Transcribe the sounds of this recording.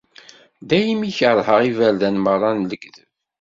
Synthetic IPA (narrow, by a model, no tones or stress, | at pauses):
d̪æjimiçəɾˤhəʁivælðænmərˤːɑnləɡðəv